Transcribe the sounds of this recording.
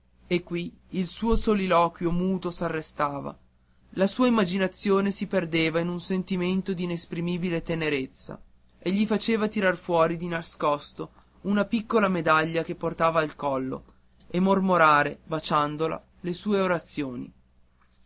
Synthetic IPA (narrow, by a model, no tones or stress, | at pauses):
ekːwi | ilsuːosolilɔːkwjomuːt̪osarːest̪aːva̰ | lasuːaimːad͡ʒinat̪sːjoːnesiperd̪eːvainunsent̪iment̪od̪iːnespɾimiːbilet̪eneɾet̪sːa̰ | eʎːifat͡ʃeːvat̪iɾarfwɔːɾid̪inaskɔst̪o | unapikːolamed̪aʎːakepːort̪aːvaːlkɔlːo̰ | emːormoɾaːɾebat͡ʃand̪ola̰ | lesuːeoɾat̪sːjoːnḭ